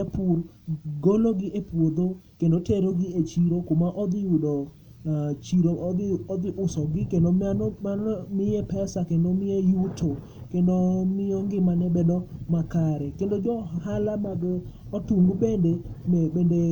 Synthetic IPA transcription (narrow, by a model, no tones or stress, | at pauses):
apur | ɡoloɡɪepwod̪okendoteɾoɡɪet͡ʃiɾokʊmaʔɔd̪ɪudɔ | t͡ʃiɾoɔd̪ɪʔʊsɔɡɪkendomanmɪjepɛsakendomɪejutʰo | kendomɪɔŋɡɪmanɛbedɔmakaɾɛkendod͡ʒɔhalamaɡ | ɔtuŋɡbendemɛbende